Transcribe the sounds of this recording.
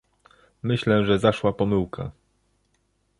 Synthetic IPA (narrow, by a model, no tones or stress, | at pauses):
mɘɕlɛʐɛzaʂwapɔmɘwkʰa̰